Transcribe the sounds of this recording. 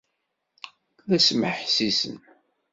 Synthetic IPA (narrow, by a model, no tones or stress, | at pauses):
ðæsməħsisə̰n